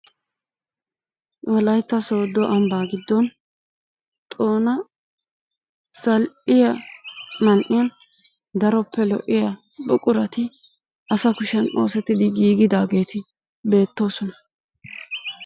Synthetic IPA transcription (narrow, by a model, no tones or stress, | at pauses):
wɔlɐjt̪ːɐso̞ːd̪ːɔʔɐmbaːɡɪd̪ːɔn | t̪ʼo̞ːnɐ | sɐlʔɪjɐmɐnʔɪjɐn | d̪ɐɾɔpːɛlɔ̰ʔɪjɐ | bʊkʼʊɾɐt̪ɪ | ʔɐsɐkʊʃɐno̞ːsɛt̪ːɪd̪ɪɡiːɡɪd̪aːɡe̞ːt̪ʰɪ | be̞ːt̪ːo̞ːsɔnɐ̥